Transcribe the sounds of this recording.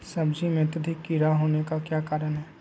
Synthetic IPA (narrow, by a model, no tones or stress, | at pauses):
sɐbd͡ʒimẽt̪ɐd̪ʱɪkːiɾaɦoːnekakjaːkaːɾənɦɛː